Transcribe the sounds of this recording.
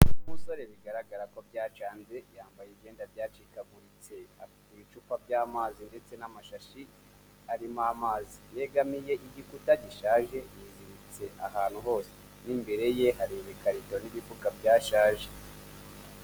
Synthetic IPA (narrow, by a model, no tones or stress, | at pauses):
umuso̞ɾe̞βiɡaɾaɡaɾako̞bɟaːt͡ʃaːnze̞jaːmbajibɟe̞ːndabjaːt͡ʃikaɡuɾit͡se̞a | iβit͡ʃuːpabɟaːmaːzinde̞t͡se̞namaʃaʃi | aɾimamaːzije̞ɡamije̞ʔiɟikutaɟiʃaːʒe̞jiɾiɾit͡se̞ʔahaːn̥huɦo̞ːse̥ | nimbe̞ɾe̞je̞ɦaɾiβekaɾitooniβipukabɟaːʃaːʒe̥